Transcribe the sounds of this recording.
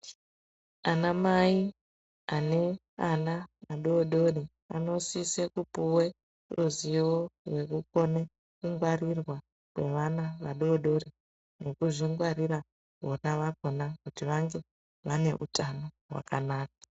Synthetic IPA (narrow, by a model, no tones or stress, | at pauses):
anamai | ane̞ | anamaɗoɗo̞ɗi | a̰no̞sisekupuwe | ruziworwe̞kuko̞ne | kuŋɡwarirwa | kwe̞ʋanaʋaɗoːɗo̞ɾi | no̞kuʐiŋɡwaɾira | ʋonaʋak̚o̞nakutiʋaŋɡe̞ | ʋane̞ʔṵtʰano̞ | ɦwa̰kanaːk̚ḁ